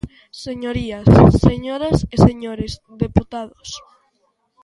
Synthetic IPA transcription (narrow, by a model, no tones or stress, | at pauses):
seɲoɾiasːeɲoɾaseseɲoɾez | ðeput̪aðos